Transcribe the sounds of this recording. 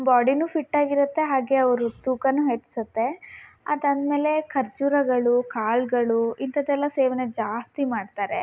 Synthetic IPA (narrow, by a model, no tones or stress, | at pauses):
baːɖinupʰiʈːaːɡiɾut̪ːe̞ɦaːɡe̞ɐʋɐɾut̪uːkɐnːuɦet͡ʃːi̥sɐt̪ːe̞ɐ̰d̪ɐnd̪me̞ːle̞kʰɐɾt͡ʃuɾɐɡɐɭukaːɭɡɐɭuint̪ʰɐd̪ɛlːɐseːʋɐned͡ʒaːst̪imaːɖt̪aːɾḛ